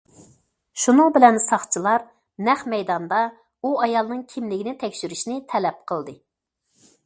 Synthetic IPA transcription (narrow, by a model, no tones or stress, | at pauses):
ʃunɨŋbɪlɛnsɑχt͡ʃʰilˠɑɾ | nɛχmɛjd̪ɑnd̪ɑ | uɑjɑlˠnɨŋkʲʰimlɪɡʲinɪt̪ʰɛkʲʃyɾyʃnɪt̪ʰɛlɛp̚qʰəlˠd̪ɨ